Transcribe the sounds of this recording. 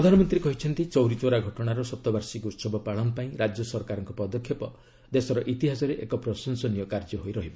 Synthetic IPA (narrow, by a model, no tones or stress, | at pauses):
ɾɔd̪ʱanɔmɔnt̪ɾiekɔɦit͡ʃʰɔnt̪it͡ʃɔwɾit͡ʃoɾaɡʱɔʈɔɽ̃aɾɔsɔt̪ːɔbaɾsikut̪sɔbɔpaɭɔmpaĩɾad͡ʒjɔsɔɾkaɾɔŋkɔpɔd̪ɔkʰːjepɔ | d̪esɔɾɔʔit̪iɦasɔɾeʔekɔpɾɔsɔnsɔnijɔkaɾd͡ʒɔɦojɾɔɦibɔ